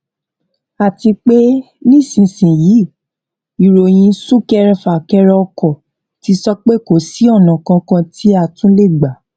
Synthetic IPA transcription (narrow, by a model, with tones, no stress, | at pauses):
a˨ti˧k͡pe˦ | nĩ˦˨sĩ˨sĩ˨ji˨˦˨ | i˨ɾo˨j̃ĩ˧sũ˦˨kɛ˦˧ɾɛ˧fa˨kɛ˦˧ɾɛ˧ɔ˧kɔ˨ | ti˧˦sɔ˦k͡pe˦ko˨si˨˦ɔ˦˨nã˨kã˧kã˧ti˦a˦˨tũ˨˦le˦˨ɡ͡ba˨˦